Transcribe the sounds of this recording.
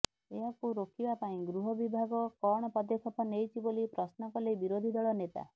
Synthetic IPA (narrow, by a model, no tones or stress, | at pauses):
eɦakuɾokʰibapaĩɡɾuɦɔbibʱaɡɔkɔɽ̃ɔpɔd̪ekʰɔpɔnejt͡ʃʰibolipɾɔsnɔkɔlebiɾod̪ʱid̪ɔɭɔnet̪a̰